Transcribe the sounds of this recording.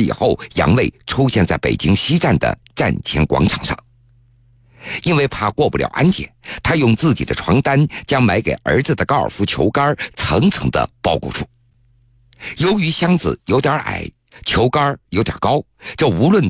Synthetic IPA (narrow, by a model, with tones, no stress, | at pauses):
ḭ˨˩xo˥˩ʊjɑ̰˧˥ŋwe˥˩ɪʈ͡ʂʰu˥ɕjɛ˥˧nt͡sa˥˩ɪpḛ˨˩ɪt͡ɕi˥ŋɕi˥ʈ͡ʂa˥˩nd̪ə̰˩ʈ͡ʂa˥˩nt͡ɕʰjɛ˧˥nkwɑ̰˧˥ŋʈ͡ʂʰɑ˨˩ŋʂɑ̰˥˩ŋ | i˥nwe˥˧ɪpʰa˥˧kwɔ˥˧pu˥˩ljɑ̰˨˩ʊʔa̰˥nt͡ɕjɛ̰˨˩˦nt̪ʰa˥jʊ˥˧ŋt͡sɹ̩˥˩t͡ɕi˨˩d̪ə̰˦ʈ͡ʂʰwɑ˧˥ŋt̪a˥nt͡ɕjɑ˥ŋma˧˥ɪke˨˩ɪʔə̰˞˧˥d͡zɹ̩˧d̪ə˩kɑ˥ʊə̰˞˨˩fu˧˥t͡ɕʰjo˧˥ʊka˥t͡sʰɤ˧˥ŋt͡sʰɤ̰˧˥ŋd̪ə̰˧pɑ˥˧ʊkwɔ̰˥˧˩ʈ͡ʂʰu̥˥˩ | jo˧˥ʊy˧˥ɕjɑ˥ŋd͡zɹ̩̰˩jo˧˥ʊt̪jɑ˞˧˥ʔa̰˨˩˦ɪ | t͡ɕʰjo˧˥ʊkɐ˥jo˧˥ʊt̪jɑ̰˨˩kɑ˥ʊʈ͡ʂɤ˥˩u˧˥lwə˥˩n